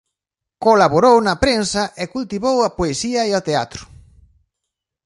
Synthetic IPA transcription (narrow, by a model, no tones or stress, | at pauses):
kolaβoɾownɐpɾensɐʔekult̪iβowɐpoesiɐeot̪eat̪ɾʊ̥